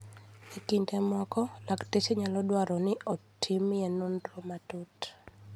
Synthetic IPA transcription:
ekintemɔkɔlakteseɲalɔdwaɾɔnɪɔtʰimjenondɾomatut

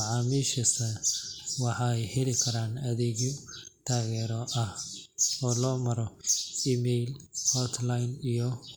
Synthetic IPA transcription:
ɑʕɑːmiʃɐsɐwɑħɑɛjhɛlɪkʰɐɾaːnɐðɛːɣɔt̪ʰaːɣɛːɾɔʔɐhɔːlɔːmɐɾɔiːmɛjlhɔt̪lajnijɔ

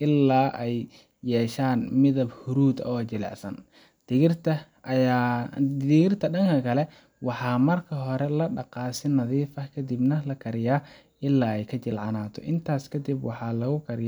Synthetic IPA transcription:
ʔɪlːaːʔɛj | jɛːʃaːnmɪðɐbhʊɾuːd̪ɔːt͡ʃɪlɛ̰ʕsɐ̰n | d̪̥ɪɣɪrt̪ʰɐ | ɪɣɪrt̪ʰɐɖɐŋkʰɐkʰɐlɛ | wɑħɑːmɐrkʰɐɦɔɾɛlɐɖɑqɑːsɪnɐðiːfɐkʰɐd̪ɪbnɐlɐkʰɐɾɪjaː | ʔɪlːaːɛjkʰɐt͡ʃɪlʕɑnaːt̪ʰɔ̰ʔɪnt̪ʰaːskʰɐd̪ɪbwɑħɑlɐɣʊkʰɐɾɪj

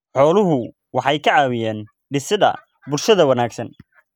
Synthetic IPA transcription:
ħɔːlʊɦʊ | wɑħɑjkʰɐʕɑːwɪjɛːn | ɖɪsɪðɐ̰ | bʊlʃɐðɐwɐnaːɡsɐn

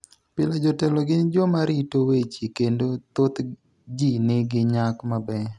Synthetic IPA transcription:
pɪlad͡ʒɔtɛlɔɡɪnd͡ʒɔmaɾitowet͡ʃikendot̪ot̪ | d͡ʒinɪɡɪɲakmabɛ

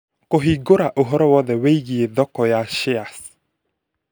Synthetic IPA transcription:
koɦiɡoɾaʔoɦɔɾɔwɔðɛweiɣieðɔkɔjaʃɪas

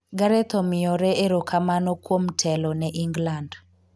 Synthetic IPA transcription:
ɡaɾɛt̪omɪɔɾɛeɾokʰamanokwomtʰɛlɔnɛʔiŋɡland

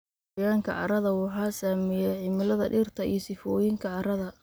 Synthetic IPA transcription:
jaːŋkʰɐ̰ʕɑ̰ɾɐðɐwɑħɑːsaːmɛjɛʕɪmɪlɐðɐɖɪrt̪ʰɐḭjsɪfɔːjɪŋkʰɐʕɑɾɐðɐ

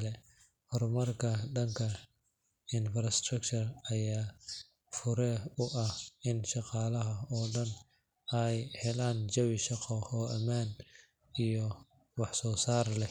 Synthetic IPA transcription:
lɛ | hɔrmɐrkʰɐɖɐŋkʰɐ | ɪnfɾɐst̪rɐkt͡ʃʰɐrɐjaː | fʊɾɛʊʔɐhɪnʃɑqɑːlɐɦɐɔːɖɐn | ɛjhɛlaːnd͡ʒɐwɪʃɑqɔhɔːʔɐmaːn | ijɔ | wɑħsɔːsaːrlɛ

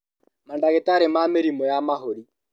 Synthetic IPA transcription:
mandaɣetaɾemameɾimɔjamaɦoɾi

